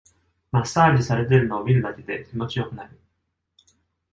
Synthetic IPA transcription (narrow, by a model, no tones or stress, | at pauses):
masaːd͡ʑisaɾe̞t̪e̞ɾɯ̟no̞abʲiɾɯ̟d̪ake̞d̪e̞kʲimo̞t͡ɕijo̞kɯ̟naɾi